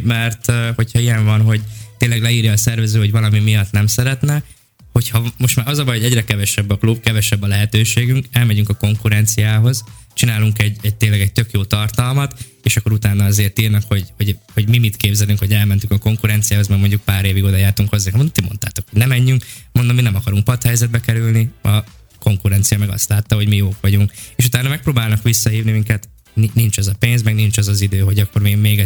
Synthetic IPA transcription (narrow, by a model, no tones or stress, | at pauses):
mɛrt̪ho̞chɒijɛɱvɒnɦo̞ɟt̪eːnlɛɡlɛiːrjɒːsɛrvɛzøːho̞ɟvɒlɒmimijɒt̪nɛmsɛɾɛt̪nɛ | ho̞chɒmo̞ʃt̪maːɾɒzɒbɒjhoɟɛɟrɛkɛvɛʃɛbːɒklub̚kɛvɛʃɛbːɒlɛɦɛt̪øːʃeːɡyŋkɛlmɛɟyŋkɒko̞ŋkuɾɛnt̪sijaːɦo̞zt͡ʃinaːluŋkɛɟːɛɟ̚t̪eːnlɛɡɛɟ̚t̪ø̞kjoːt̪ɒrt̪ɒlmɒt̪ | eːʃɒkːoɾut̪aːnɒɒzeːrt̪iːrnɒkho̞ɟho̞ɟho̞ɟmimit̪keːbzɛlyŋkho̞ɟɛlmɛnt̪ykɒko̞ŋkuɾɛnt̪sijaːɦo̞zmɛɡmo̞ɲɟuk̚paːɾeːviɡoːd̪ɒjaːrt̪uŋkhozːaŋkmont̪imo̞̰nt̪aːt̪o̞kho̥nɛmɛɲːyŋkmond̪omːinɛmɒkɒɾuŋk̚pɒt̪hɛjzɛd̪bɛkɛɾylniɒ | ko̞ŋkuɾɛnt̪sijɒmɛɡɒ̰st̪laːt̪ːɒɦo̞ɟmijoːkʋɒɟuŋkeːʃut̪aːnɒmɛk̚proːbaːlnɒkʋisːɒɦiːvnimiŋkɛt̪ | ninint͡ʃɒzɒpeːnzmɛɡnint͡ʃɒzɒzid̪øːɦo̞ɟɒkːo̞rmimeːɡɛ